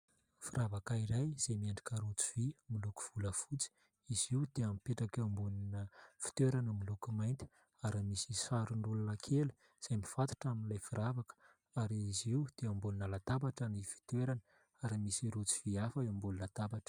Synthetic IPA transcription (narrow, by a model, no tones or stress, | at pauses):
fiɾavakaiɾajz̥emiaɳɖ͡ʐikəɾut͡siv̥imiluku̥v̥uləfut͡si̥ | iziud̪̥eamipeʈ͡ʂakeambuninəfi̥t̪eɾanəmilukumajnt̪ʲi̥ | aɾimisisaɾuɳɖ͡ʐulunəkʰelu̥ | z̥ajmifãt̪u̥ʈ͡ʂaminlajfiɾavakə̥ | aɾiiziwd̪̥eambulinəlat̪abaʈ͡ʂanifi̥t̪eɾanə | aɾimisiɾut͡si̥v̥iafaambulunat̪abaʈ͡ʂə̥